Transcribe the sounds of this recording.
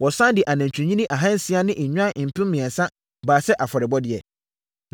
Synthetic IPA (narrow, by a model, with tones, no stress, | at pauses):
wɔ˨sã˦n˦dɪ˨ʔa˨nã˨ɲ˨t͡ɕᶣʰũ˨ɲĩ˦nĩ˦ʔa˨ɦã˦n̩˨sɪ˦a˦nɪ̃˦ʔɲᶣʊ˦ã˦˨m̩˨pʰɪ̃˦m˦mɪ̃˨ɛ˨nsã˦ | baː˨sɛ˦ʔa˨fɔ˨ɾɪ˨bɔ˦dɪ˦ɛ̰˨